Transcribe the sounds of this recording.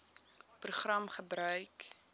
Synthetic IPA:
pruχrɐmχəbɾœɥk

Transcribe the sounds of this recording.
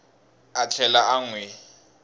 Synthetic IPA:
at͡ɬʰɛlaaŋwe

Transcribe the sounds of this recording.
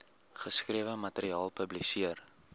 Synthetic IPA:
χəskriəvəmɐtəɾiɑːlˠpɵblisiər

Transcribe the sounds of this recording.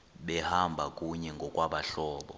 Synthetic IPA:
ɓɛhambʱak̬ʼuɲɛŋɡʱɔkʼwaɓaɬɔːɓɔ̰

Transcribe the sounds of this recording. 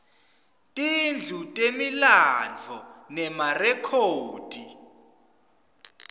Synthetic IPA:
tʼind͡ɮʱutʼemiland͡vʱɔnɛmarɛkʰoːd̥ʱi

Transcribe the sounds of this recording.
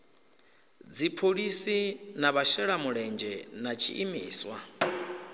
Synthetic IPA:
d͡zipʰoɺisinaβaʃɛɺamuɺɛnd͡ʒɛnat͡ʃʰḭʔimiːswa

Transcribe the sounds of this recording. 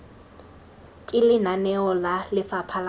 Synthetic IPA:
kʼɪlɪnanɛɔlalɪfapʰal

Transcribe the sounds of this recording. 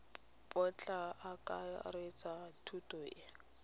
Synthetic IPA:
pʼɔt͡ɬʼaakʼa̰ret͡satʰutʼɔɪ

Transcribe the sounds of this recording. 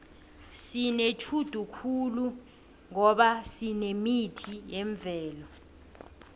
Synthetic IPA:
sinet͡ʃʰud̥ʱukʰulu | ŋɔɓasinemitʰijeɱb̪vʱɛːlɔ

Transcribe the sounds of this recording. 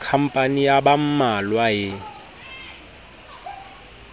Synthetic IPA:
kʰam̩pʼanijabam̩malwaɦɪ

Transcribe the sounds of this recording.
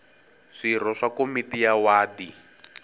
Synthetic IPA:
ʂir̤ɔʂakomitijawaːdi

